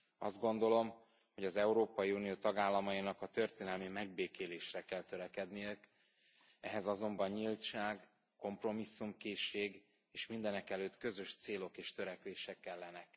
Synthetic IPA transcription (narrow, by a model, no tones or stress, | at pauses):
ɒ̰zd̪̚ɡo̞nd̪o̞lo̞m | ho̞ɟɒzɛuɾoːpɒjiunijoːt̪ɒɡaːlːɒmɒjinɒkɒt̪ø̞rt̪eːnɛlmimɛɡ̚beːkeːleːʃrɛkɛlt̪øɾɛkɛd̪nijɛk | ɛɦɛzɒzo̞mbɒɲɲilt͡ʃaːɡ | ko̞mpro̞misːumkeːʃːeːɡ | eːʃmind̪ɛnɛkɛløːt̪kø̞zø̞ʃt̪seːlo̞keːʃt̪ø̞ɾɛkʋeːʃɛkːɛlːɛnɛk